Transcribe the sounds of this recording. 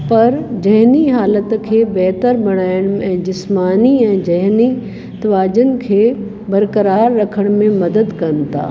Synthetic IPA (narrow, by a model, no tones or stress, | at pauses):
pɐɾd͡ʑɐɦniɦaːlət̪kʰeːbɛɦt̪əɾbɐɽ̃aːɪɽ̃ɛ̃ːd͡ʑɪsmaːniɛ̃ːd͡ʑɐɦni | t̪ɐʋaːd͡ʑənɪ̆kʰeː | bɐɾkəɾaːɾːɐkʰəɽ̃mẽmɐd̪əd̪kɐɾənɪ̆t̪ʰa̰ː